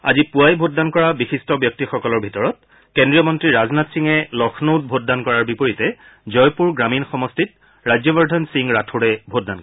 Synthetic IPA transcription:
a̰zipuajbʱot̚dankɔɹabixistɔbjɔk̚tixɔkɔlɔɹbʱitɔɹɔt̚ | kendɹijɔmɔntɹiɹaznatsiŋɛlɔxʰnowt̚bʱot̚dankɔɹaɹbipoɹitɛ | zɔjpuɹɡɹaminxɔmɔstit̚ | ɹajd͡ʑjɔbɔɹdʱɔnsiŋɹatʰuɹɛbʱot̚danɔ

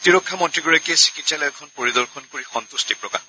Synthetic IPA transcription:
tiɹɔkʰːamɔntɹiɡɔɹakiɛsi̥kitsalɔɛkʰɔnpoɹid̪ɔɹkʰɔnkoɹixɔnt̪ustipɹɔkax

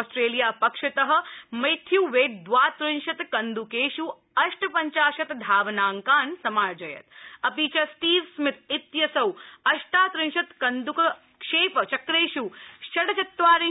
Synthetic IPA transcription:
sʈɾeːlijaːpɐkʂɐt̪ɐɦɐ̆mɐjt̪ʰjuːʋeːʈ̚d̪ʋaːt̪ɾɪnʃɐt̪kɐnd̪ukeːʃu | ɐʃʈɐpɐɲt͡ʃaːʃɐt̪d̪ʱaːʋnaːŋkaːnsɐmaːɾd͡ʒɐjɐ̰t̪ɐpiːt͡ʃɐsʈiːʋsmɪt̪̚it̪jɐsɐwɐʃʈaːt̪ɾɪnʃɐt̪kɐnd̪ukɐ | kʂeːpɐt͡ʃɐkɾeːʃuʃɐɽɐt͡ʃɐt̪ʋaːɾi

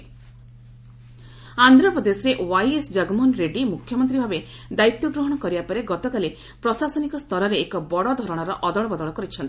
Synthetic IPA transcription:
and̪ʱɾɔpɾɔd̪esɾeʔwajesd͡ʒaɡmɔnɾeɖimukʰjɔmɔnt̪ɾibʱabe | d̪ait̪jɔɡɾoɦɔɽ̃ɔkɔɾibapɔɾeɡɔt̪ɔkali | pɾɔsasɔnikɔst̪ʰɔɾɔɾeːkɔbɔɽɔd̪ʱɔɾɔɽ̃ɔɾɔʔɔd̪ɔɭɔbɔd̪ɔɭɔkɔɾit͡ʃʰɔnt̪i

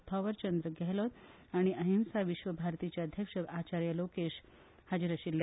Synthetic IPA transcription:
t̪ʰɔʋəɾt͡ɕənd̪ɾəɡʱɛlot̪ | aɽ̃iʔəɦimsaʋiɕʋəbʱaɾt̪it͡ɕjaəd̪ʱjəkʂəat͡ɕaɾjəlokeɕ | had͡ʑiɾəɕilːja

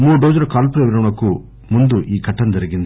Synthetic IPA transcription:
muːɖoːd͡ʒuɾɐkaːlpuɾeʋiɾɐɳɐku | mund̪uʔiːkɐʈːɐnd̪ɐɾiɡind̪

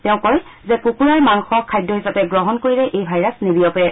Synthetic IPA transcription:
tɛʊ̃kɔj | zɛkukuɹaɹmaŋxɔkʰːajdːɔɦisapɛɡɹɔɦɔnkoɹilɛʔejbʱajɹasnebijɔpɛ

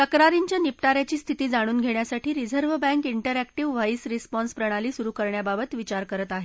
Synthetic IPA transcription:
t̪əkɾaɾiɲt͡ɕjanipʈaɾjat͡ɕiːst̪ʰit̪iːd͡zaɽ̃uːnɡʱeɳjasaʈʰiːɾid͡zəɾʋbɛ̃ŋkiɳʈəɾækʈiʋʋajsɾispɔnspɾəɽ̃aliːsuɾuːkəɾɳjababət̪ʋit͡ɕaɾkəɾət̪aɦe

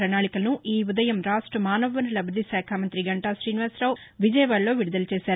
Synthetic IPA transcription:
ɾɐnaːɭikɐlɐnuʔiːud̪ɐjɐmɾaːʂʈɾɐmaːnɐʋʋɐnɐlɐbɾɐd̪isaːkʰaːmɐnt̪ɾiɡɐɳʈaːʃɾiːniʋaːsɾɐʋʋid͡ʒɐjʋaːɭlo̞ːʋiɽud̪ɐlɐt͡ʃeːʃaːɾ

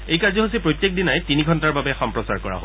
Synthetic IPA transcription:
ejkaɹzɔɦosipɹojtːjek̚dinajtiniɡʱɔntaɹbabɛxɔmpɹɔsaɹkɔɹa̰ɦo̰

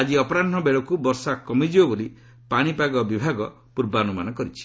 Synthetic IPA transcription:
ad͡ʒiɔpɔɾanɔbeɭɔkubɔɾsakɔmid͡ʒibɔboli | paɽ̃ipaɡɔbibʱaɡɔ | puɾbaɔnumanɔkɔɾit͡ʃʰi̥

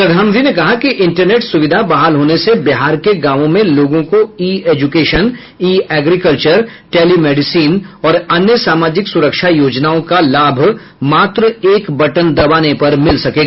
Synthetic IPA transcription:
pɐd̪ʱaːmd̪ʱinekɐɦakiʔɪ̃ɳʈəɾneːʈsʊʋɪd̪ʱabaɦaːlɦoːnesebɪɦaːɾkeɡãːʋõmẽloːɡõkoiːeːd͡ʒʊkeːʃən | iːɛːɡɾikəlt͡ʃəɾʈeːlimɛːɖɪsiːnɔːɾɐnjəsaːmaːd͡ʒɪksʊɾəkʃajoːd͡ʒnaːõkalaːbʱ | maːt̪ɾəeːkbɐʈənd̪ɐbaːnepɐɾmɪlsɐkeːɡaː

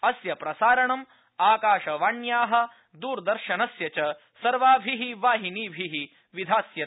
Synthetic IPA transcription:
ɐsjɐpɾɐsaːɾɐɳɐm | aːkaːʃɐʋaːɳjaːɦɐ̆ | d̪uːɾd̪ɐɾʃɐnɐsjɐt͡ʃɐ | sɐɾʋaːbʱiɦiʋaːɦiniːbʱiɦi | ʋid̪ʱaːsjɐt̪

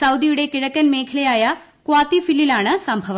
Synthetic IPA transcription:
sɐwd̪ijuɽekiɻɐkːɐnmeːkʰilɐjaːja | kuʋaːt̪ifilːilaːɳɨsɐmbʱɐʋɐ

